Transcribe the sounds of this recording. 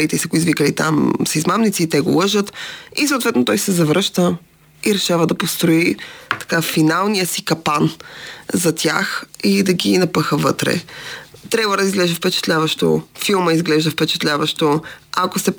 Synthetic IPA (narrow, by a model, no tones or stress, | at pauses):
it̪ɛsiɐɡoizvikəlit̪a̰msɐizmamnit̪siːt̪ɛɡo̰lˠɤʒət̪isoːt̪vɛt̪not̪ɔjsɛzɐvɾəʃt̪ə | iɾɛʃavəd̪ɐpost̪ɾoit̪ɐ̥kafinalˠnijəsikɐpanzɐt̪ʲʰaxid̪ɐɡinɐpɤxəvɤt̪ɾɛ̰t̪ɾjabvəd̪ɐizɡlɛʒɛfpɛt͡ʃɛ̥t̪lʲavəʃt̪o̰filˠməizɡlɛʒd̪əfpɛt͡ʃɛ̥t̪lʲavəʃt̪oakost̪ɛ